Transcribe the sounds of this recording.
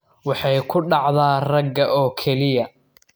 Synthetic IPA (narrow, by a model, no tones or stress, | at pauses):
wɑħɑjkʰʊɖɑʕðaːrɐɡːɐʔɔːkʰɛlɪjɐ